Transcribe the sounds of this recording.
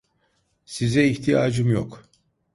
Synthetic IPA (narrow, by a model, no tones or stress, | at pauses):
sizɛiçt̪ʰijaːd͡ʒɯmjok